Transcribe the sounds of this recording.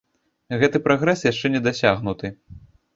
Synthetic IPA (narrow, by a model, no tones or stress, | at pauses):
ɣɛt̪ɨpɾaɣɾɛsjaʂt͡ʂɛnʲɛd̪asʲaɣn̪ut̪ɨ